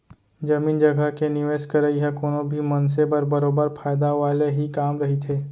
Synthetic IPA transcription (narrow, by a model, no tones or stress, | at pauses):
d͡ʒɐmiːnd͡ʒɐɡəkenɪʋeːʃkɐɾəiɦɛkoːnõbʱimɐns̬ebɐɾbɐɾoːbəɾfʰaːjd̪aʋaːleɦikaːmɾɐɦit̪ʰeː